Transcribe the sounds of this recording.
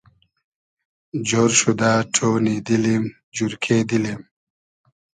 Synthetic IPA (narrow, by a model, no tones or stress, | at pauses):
d͡ʑoːɾɕud̪aːʈʰoːnid̪ilim | d͡ʑuɾkʰed̪ilim